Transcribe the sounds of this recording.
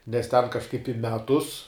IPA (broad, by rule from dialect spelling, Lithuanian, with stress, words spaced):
nʲɛs tʲɛn kɐʃˈkɐɪp ɪ ˈmʲæːtʊs